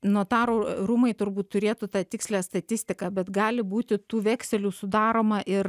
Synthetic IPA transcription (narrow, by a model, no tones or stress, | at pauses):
nuɔt̪ɑːɾoɾumɐɪt̪ʊɾbuːt̪tʊɾʲeːt̪ut̪ɑːt̪ʲɪksʲlʲæːst̪ɐt̪ʲɪsʲt̪ʲɪkɑːbʲɛt̪ɡɑːlʲɪbuːt̪ʲɪt̪uːʋʲɛːksʲɛlʲuːsʊd̪ɑːɾoːmɐʔɪr